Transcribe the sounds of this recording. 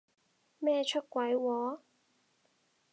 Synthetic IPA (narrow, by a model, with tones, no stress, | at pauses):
mɛː˥˧t͡ʃʰɵ˥t̚kʷɐ˨˥jwɔː˨˥